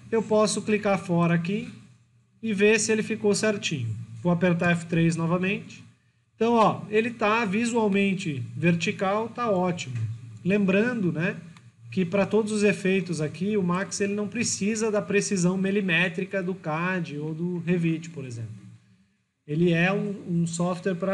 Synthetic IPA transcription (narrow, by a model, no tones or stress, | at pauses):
ewpɔsʊklikaɾfɔɾɐaki | ɪvesɪelɪfikowseɾt͡ʃĩɲʊvoapeɾt̪̬aɛfɪ̥t̪ɾejznɔvɐmẽnt͡ʃɪ̥̃ | t̪ɐ̃w̃ɔelɪt̪avizuawmẽnt͡ʃɪveɾt͡ʃ̪ikawt̪aɔt͡ʃimʊlẽmbɾɐ̃nd̪ʊnɛ | kɪpɾɐt̪od̪ʊzʊzefejt̪ʊzakiʊmakselɪnɐ̃w̃pɾɪsizɐd̪ɐpɾesizɐ̃w̃melimɛt̪ɾikɐd̪ʊkad͡ʒɪod̪ʊɦevit͡ʃɪ̥poɾezḛ̃mplʊ | elɪɛũũsɔft̪weɾpɾɐ